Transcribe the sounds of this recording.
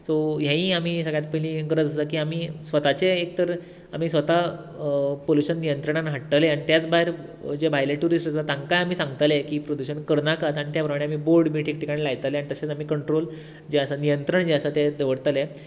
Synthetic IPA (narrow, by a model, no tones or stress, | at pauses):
sojãĩːam̤iːsəɡɭjat̪̚pəlĩɡɾəd͡zəkiːamiːsʋət̪at͡ɕeek̚t̪əɾ | am̤iːsʋət̪a | poluɕənːijənt̪ɾəɳ̃anɦəʈʈəleaɽ̃it̪jat͡sbaɦeɾ | d͡ʑebʱajleʈuɾisʈət͡sat̪ãŋkajam̤iːsãŋɡt̪alekiːpɾod̪uɕənkəɾnakat̪aɽit̪japɾəmaɽ̃eamiːboɾɖbʱiːʈʰik̚ʈikaɽilajt̪əleaɳit̪əset͡sam̤iːkəɳʈɾol | d͡ʑeəsanijənt̪ɾəɳd͡ʑeəsat̪ed̪eʋəɽt̪əle